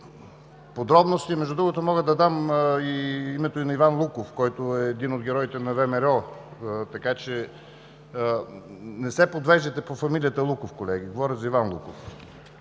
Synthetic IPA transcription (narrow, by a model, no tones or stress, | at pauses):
pod̪ɾɔbnost̪imɛʒd̪ud̪ɾuɡot̪omɔɣəd̪ɐd̪amiimɛt̪oinɐivanlˠukofkɔjt̪oɛːd̪inod̪ɡʲɛɾɔit̪ɛnɐvɛmɛɾɛɔt̪ɐkat͡ʃɛ | nɛsɛpod̪vɛʒd̪ɛt̪ɛpofɐmilijət̪əlˠukofkolɛɡ̟iɡovɔɾʲəzɐivanlˠṵkof